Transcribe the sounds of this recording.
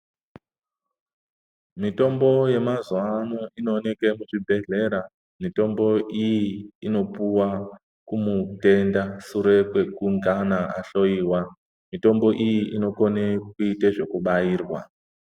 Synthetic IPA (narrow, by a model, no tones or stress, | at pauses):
mito̞mbo̞je̞mazwanoinone̞ke̞muʐibʱe̞ɮe̞ɾa | mito̞mbo̞ʔijiːno̞puwa | kumute̞ndasuɾe̞kwe̞kuŋɡanaʔaɬo̞jiːwa | mito̞mbo̞ʔijiʔino̞konekuiteʐe̞kuɓajiːrwa̰